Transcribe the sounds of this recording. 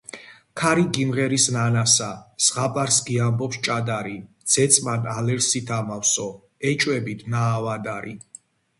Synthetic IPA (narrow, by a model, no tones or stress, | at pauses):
kʰaɾiɡimʁɛɾisnanasasʁapʼaɾsɡiambɔpst͡ʃʼad̪aɾid̪z̥ɛt̪sʼmanalɛɾsit̪ʰamafsɔ | ɛt͡ʃʼwɛbit̪ʰnaːvad̪aɾi